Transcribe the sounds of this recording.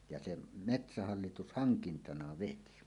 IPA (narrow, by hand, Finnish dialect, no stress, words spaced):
jɑ sem metsæhɑlːitus hɑŋkintɑnɑ ʋeti